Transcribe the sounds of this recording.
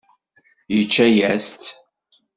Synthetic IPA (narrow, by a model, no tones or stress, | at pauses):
jət͡ʃːæjæst͡s